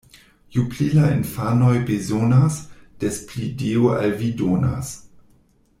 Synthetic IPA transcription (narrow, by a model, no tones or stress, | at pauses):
jupʰlilainfanojbezonasd̥esplideːoʔa̰lvidona̰s